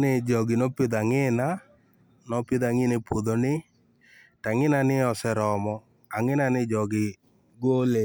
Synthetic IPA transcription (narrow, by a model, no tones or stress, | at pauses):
nɪd͡ʒɔɡɪnɔpɪd̪aŋɪna | nɔpɪd̪aŋɪnepwod̪onɪ | taŋɪnanɪɔsɛɾɔmɔ | aŋɪnanɪd͡ʒɔɡɪ | ɡole